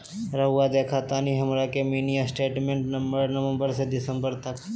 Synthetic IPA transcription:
ɾɐɦʊad̪eːkʰat̪aːniɦɐmɾakemiːnijasʈeːʈmẽːɳʈnɐməɾnɐʋə̃mbəɾsed̪ɪsə̃mbəɾt̪ɐk

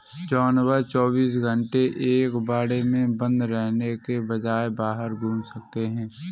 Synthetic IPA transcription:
d͡ʒɔːnwət͡ʃɔːbiːsɡʱə̃ɳʈeʔeːkbaːɽemẽbə̃nd̪ɾɛɦnekebɐd͡ʒaːebaːɦəɾɡʱũːmsɐkt̪eɦɛ̃ː

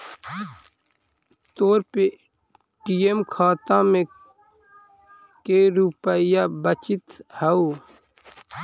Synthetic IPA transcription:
t̪oːɾpe | ʈijemkʰaːt̪ãːmẽ | keɾupəjaːbət͡ʃit̪hɐuː

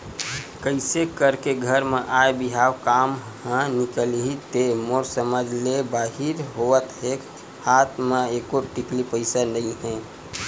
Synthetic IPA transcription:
kəɪsekəɾkeɡʱəɾmẽʔaebiɦawkaːm | hə̃nikəlɦit̪emoɾsəməd͡ʒʱlebaːɦiɾɦoət̪ɦek | haːt̪ʰmẽekoʈiklipəɪsanəĩɦɛ̃

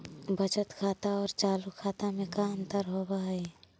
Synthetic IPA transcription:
bət͡ʃət̪kʰaːt̪aɔːɾt͡ʃaːlukʰaːt̪amẽkaənt̪əɾɦobaɦɛ

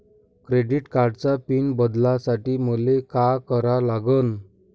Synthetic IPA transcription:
kɾeɖiʈkaɾɖt͡sapiːnbəd̪lasaʈiːməlekakəɾalaɡən

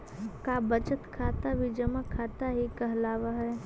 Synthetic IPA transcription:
kaːbət͡ʃət̪kʰaːt̪abʱid͡ʒəmakʰaːt̪aɦikɐɦlaːʋaɦɛː

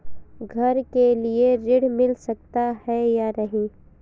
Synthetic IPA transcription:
ɡʱɐɾkelieɾɪɽmɪlsɐk̚t̪ahɛjaɾɐɦĩː

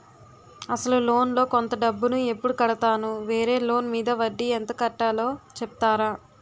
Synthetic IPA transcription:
ɐsɐlulo̞ːnlo̞ːkont̪ɐɖɐbːunue̞pːuɽukɐɽɐt̪aːnuʋeːɾe̞ːlo̞ːnmiːd̪ɐʋɐɖːient̪ɐkɐʈːaːlo̞ːt͡ʃeput̪aːɾaː

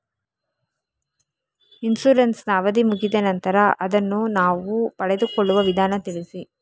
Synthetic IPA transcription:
insuɾɐnsnaːʋɐd̪imuɡid̪ɐnɐnt̪ɐɾɐʔɐd̪ɐnːunaːʋupɐɭɛd̪ukɔɭːuʋɐʋid̪ʱaːnɐt̪iɭisi

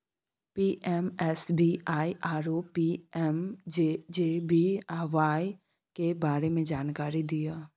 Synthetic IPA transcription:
piːʔɛmɛsbiːʔaːiʔaːɾoːpiɛmd͡ʒed͡ʒeːbiaːʋaːi | kebaːɾemẽd͡ʒaːnkaːɾid̪ijaː

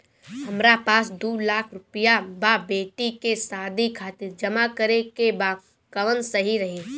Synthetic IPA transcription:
ɦɐmɾapaːsd̪uːlaːkʰɾʊpijababeːʈikesaːd̪ʱikʰaːt̪ɪɾd͡ʒɐmakəɾekeba | kɐʋənsɐɦiɾɐɦeː

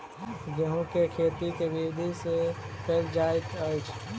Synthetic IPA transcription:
ɡeɦũkekʰet̪ikebibd̪ʱise | kʰeɾd͡ʒajt̪əjt͡ʃʰ

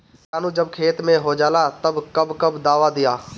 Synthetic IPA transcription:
aːnũːd͡ʒəbkʰeːt̪mẽɦoːd͡ʒaːlaːt̪əbkəbkəbd̪aːʋaːd̪ɪjaː

